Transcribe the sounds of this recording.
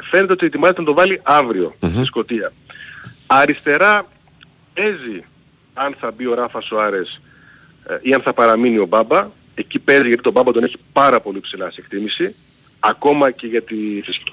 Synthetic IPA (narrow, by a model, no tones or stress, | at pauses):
fene̞t̪eot̪iet̪imɐzet̪enɐt̪ovɐliʔɐvɾio̞̰sisko̞t̪iɐ | ɐɾist̪e̞ɾɐ | ezi | ɐnθɐbio̞ɾɐfɐsoɐɾe̞s | iɐnθɐpɐɾɐminio̞bɐbɐ | e̞cipe̞ziʝɐt̪it̪obɐbɐt̪one̞çi̥pɐɾɐpo̞lipsilɐsekt̪imisi | ɐko̞mɐce̞ʝɐt̪iθis